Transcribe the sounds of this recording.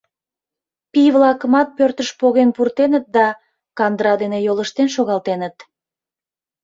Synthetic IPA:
piβlɑkəmɑt̪̚pørt̪əʃpoɣenpurt̪enət̪̚d̪ɑ | kɑnd̪ɾɑd̪enejoləʃt̪enʃoɣɑlˠt̪enət̪

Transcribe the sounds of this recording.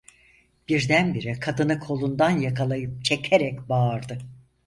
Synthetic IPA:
b̥iɾd̪ænbiɾikʰad̪ɯnɯkʰo̞lˠund̪anjakʰalˠajɯp̚t͡ʃʰecʰeɾɛcbaːɾd̪ɯ

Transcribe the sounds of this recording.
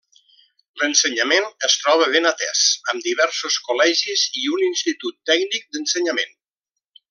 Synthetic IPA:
lənsəɲamenəst̪ɾɔβ̞əβenat̪ɛ̰səmd̪iβ̞ɛɾsuskulɛʒiziuninst̪it̪ut̪ːɛɡnik̚d̪ənsəɲəmen

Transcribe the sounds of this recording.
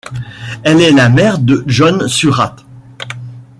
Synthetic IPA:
ɛlɛlamɛʁd̪əʒɔnsyʁat̪

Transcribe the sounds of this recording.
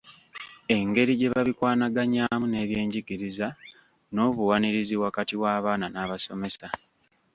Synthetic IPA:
e̞ŋɡe̞ɾiɟe̞βaβikwaːnaɡaɲaːmune̞ːβje̞ːɲɟiɡiɾiza | no̞ːβuwaniɾiziwakatiwaːβaːnanaːβaso̞me̞sa

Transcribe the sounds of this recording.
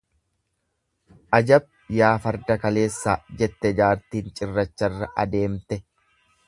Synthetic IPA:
ʔɐd͡ʒɐb̚jaːfɐɾd̪ɐkɐle̞ːsːaːd͡ʒɛt̪ːɛd͡ʒaːɾt̪iːnt͡ʃʼɪrːɐt͡ʃːɐrːɐʔɐd̪e̞ːmt̪ɛ

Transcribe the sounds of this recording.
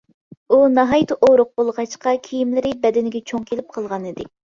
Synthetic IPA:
unɑɦɑjt̪ʰɨʔoɾʊq̚bolˠʁɑt͡ʃqɑkʲʰejimlɪɾɪbɛd̪ɪnɪɡʲɛt͡ʃʰoŋkʲʰelɪp̚qʰəlˠʁɑnɨd̪ɪ

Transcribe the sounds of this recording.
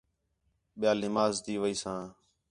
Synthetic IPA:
ɓɪjaːlɪmaːzt̪iːʋəiːsãː

